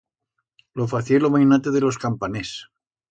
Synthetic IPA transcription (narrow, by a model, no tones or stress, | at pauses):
lofaθjelomajnat̪eðelo̞skampanes